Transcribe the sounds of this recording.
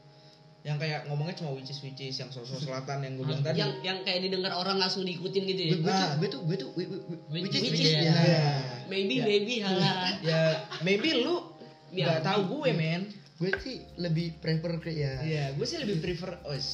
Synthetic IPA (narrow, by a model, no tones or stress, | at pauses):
jaŋkajaʔŋomɔŋɛt͡ʃumawit͡ʃɪswit͡ʃɪsjaŋsososəlat̪anjaŋɡuabilaŋt̪adijaŋjaŋkajaʔdidəŋaroɾaŋlaŋsʊŋdikut̪ɪmɡit̪ujaɡuɛt̪uɡuɛt̪uɡuɛt̪u | it͡ʃɪswit͡ʃɪaamebimebiajamebilu | iaɡat̪auɡuwemɛn | ɡuɛsiləbɪhpɾepərkɛjajaɡuɛsɪləbɪhpɾifəros